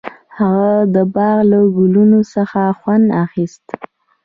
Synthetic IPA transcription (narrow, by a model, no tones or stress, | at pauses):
haɣad̪əbɑɣlaɡʊlunosəxaxwand̪axist̪